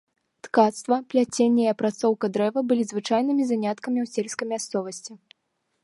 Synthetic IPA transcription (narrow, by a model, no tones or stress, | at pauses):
t̪kat̪st̪vɐplʲat͡sʲenʲːɛjɐpɾat̪sɔwkɐd̪ɾɛvɐbɨlʲizvɨt͡ʂajn̪ɨmʲizanʲat̪kɐmʲiwsʲelʲskɐjmʲast̪sɔvɐsʲt͡sʲi